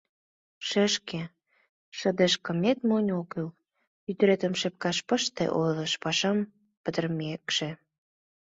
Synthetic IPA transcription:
ʃĕʃke | ʃə̆d̪eʃkə̆met̪monʲokəl | yt̪ɾet̪ə̆mʃep̚kɑʃpə̆ʃt̪ḛʔojləʃpɑʃɑm | pət̪ərmekʃĕ

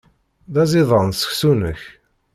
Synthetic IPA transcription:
ðæzɪðˤənsə̥çsunə̰ç

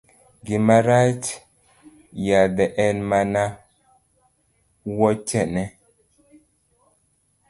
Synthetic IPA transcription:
ɡimaɾat͡ʃ | jadɛʔɛnmana | wɔt͡ʃɛnɛ

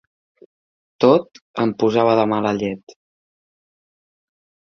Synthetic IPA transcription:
t̪ot̪əmpuzaβəðəmaləʎɛt̪

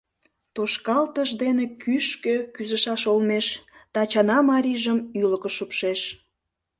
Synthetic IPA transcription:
t̪uʃkɑlt̪əʒd̪enekyʃkøkyzəʃɑʃolmeʃt̪ɑt͡ɕɑnɑmɑɾʲiʒəmyləkəʃupʃeʃ

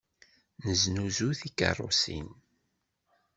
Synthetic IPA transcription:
nəznuzuθikə̰rˤːo̰sḭn

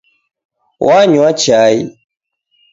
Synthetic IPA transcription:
wʔaɲiwat͡ʃiai

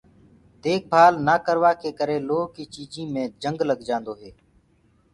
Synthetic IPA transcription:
d̪eːk̚bʱaːlnaːkəɾʋaːkʰeːkəɾeːloːkiːt͡ʃiːd͡ʒĩːmẽːd͡ʒəŋɡləɡd͡ʒãːnd̪oːɦeː

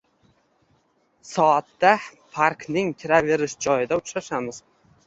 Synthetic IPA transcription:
sɒat̪ːapʰaɾknɪŋkʲʰɪɾave̞ɾɪʃd͡ʒɒjɪd̪aʊt͡ʃɾaʃamɪz̥

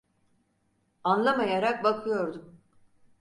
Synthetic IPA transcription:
anlˠamajaɾak̚bakʰɯjo̞ɾd̪um

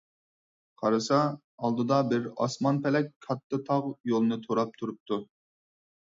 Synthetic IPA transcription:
qʰɑɾɨsɑ | ɑlˠd̪ɨd̪ɑbɪɾɑ̰smɑnpʰɛlɛkʲkʰɑt̪ːɨt̪ʰɑʁjolˠɨnɨt̪ʰoɾɑp̚t̪ʰuɾup̚t̪ʰu

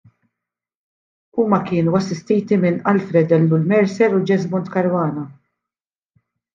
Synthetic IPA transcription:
uːmɐkɪːnuɐsːɪst̪ɛjt̪imɪnɐlfɾɛd̪ɛlːʊlmɛɾsɛɾud͡ʒɛzmʊnt̪kɐɾwɐːnɐ

